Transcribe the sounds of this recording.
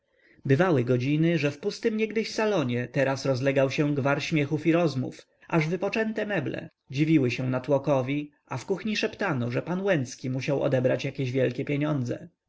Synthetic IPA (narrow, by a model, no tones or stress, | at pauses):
bɘvawɘɡɔd͡ʑinɘʐɛfpust̪ɘmɲɛɡd̪ɘɕsalɔɲɛt̪ɛɾasɾɔzlɛɡawɕɛɡvaɾɕmʲjɛxufiɾɔzmṵf | ʔaʐvɘpɔt͡ʂɛnt̪ɛmɛblɛ̰ | d͡ʑivʲiwɘɕɛnat̪wɔkɔvʲi | afkuxɲiʂɛpt̪anɔʐɛpanwɛnt̪skʲimuɕawɔ̰d̪ɛbɾat͡ɕjakʲeʑvʲjɛlkʲɛpʲjeɲɔnd̪zɛ̰